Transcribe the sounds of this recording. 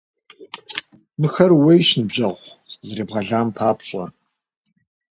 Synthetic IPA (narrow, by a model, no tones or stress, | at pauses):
mɨxɐrwejʃnɨbʑʼɐʁʷzɨɾeːbʁɐɮaːmpʰaːpɕʼɐ̰